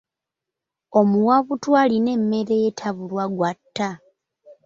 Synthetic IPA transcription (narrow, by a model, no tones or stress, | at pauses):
o̞muwaβutwaːline̞mːe̞ɾe̞jetʰaβulwaɡwatːa